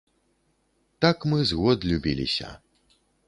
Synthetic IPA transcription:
t̪akmɨzɣɔd̪lʲubʲilʲḭsʲɐ̰

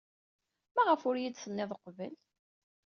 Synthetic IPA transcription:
mæʁəfʊɾjid̪θənːɪðˤəqːvə̰l

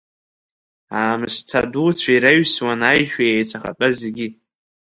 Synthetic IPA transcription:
aːmɨstʰa̰dut͡sʷʰaiɾaɥswanajʒᶣajejt͡sʷʰaχa̰t͡pʼazeɡʲi

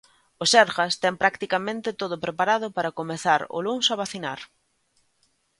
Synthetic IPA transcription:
ʊsɛɾɣast̪ɛŋpɾakt̪ikamẽnt̪ɪt̪oðʊpɾepaɾaðʊpaɾakomeθaɾʊ̰luŋsaβaθina̰ɾ

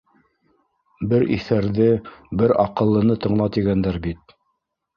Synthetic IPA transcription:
bɘɾʔḭθæɾðɘbɘɾɑqɤ̆lˠːɤ̆nɤt̪ɤ̆ɴlˠɑt̪iɡænd̪æɾbit̪̚

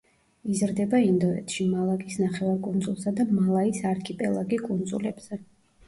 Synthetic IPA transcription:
izɾd̪ɛbaind̪ɔɛ̰t̪ʰʃimalˠakʼisnaχɛvaɾkʼund̪zulˠsad̪amalˠaisaɾkʰipʼɛlˠaɡikʼund̪zṵlɛbz̥ɛ

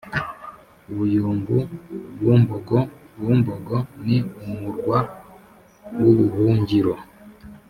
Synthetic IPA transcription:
uβujuːmbuβuːmboɡoβuːmboɡoniumuɾɡwa | woβuhuːɲɟiɾo

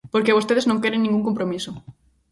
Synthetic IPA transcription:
poɾkeβost̪eðeznõŋkeɾeŋniŋɡuŋkõmpɾomisʊ

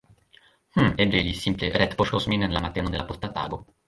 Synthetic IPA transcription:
h̩ebelisimpleɾɛt̪poʃkosminnlamat̪ːeːnod̪elʔapost̪at̪a̰ːɡo

